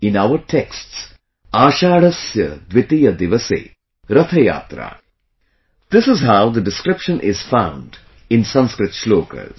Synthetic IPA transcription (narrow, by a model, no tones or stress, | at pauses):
ɪ̃naʋəɾʈʰeksʈs | aːʃaːɽɐsjɐd̪ʋɪt̪ijɐd̪ɪʋɐsḛː | ɾɐt̪ʰɐja̰ːt̪ɾa̰ː | d̪̥ɪsɪzɦaʊd̪əɖɪskɾɪpʃə̃nʔɪzfãʊ̃ɳɖ | ɪ̃nsɐ̃nskɾɪt̪ʃloːkə̰z